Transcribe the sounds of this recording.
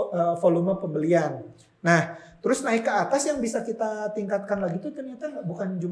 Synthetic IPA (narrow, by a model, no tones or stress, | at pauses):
əfolumapəmbəlianː | aht̪əɾʊsnaɪkːəat̪asjaŋbisakit̪at̪iŋkat̪̚kanlaɡit̪ut̪ərɲat̪abukand͡ʒum